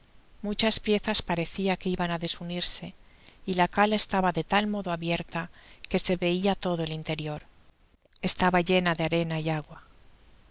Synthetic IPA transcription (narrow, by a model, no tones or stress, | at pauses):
mut͡ʃaspje̞θaspaɾe̞θiakeiβanaðe̞suniɾse̞ | ilakale̞st̪aβaðe̞t̪almo̞ðoaβje̞ɾt̪ake̞se̞βe̞iat̪o̞ðoe̞lint̪e̞ɾjo̞ɾ | e̞st̪aβaʝe̞naðeaɾe̞naiaɣwa